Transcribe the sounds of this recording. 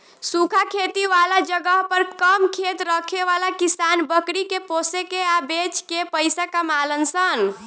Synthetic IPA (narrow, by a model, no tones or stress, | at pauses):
sukʰakʰet̪iʋalad͡ʒəɡəɦpəɾkəmkʰet̪ɾəkʰeʋalakisanbəkɾikeposekeabet͡ʃkepəjsakamalənsən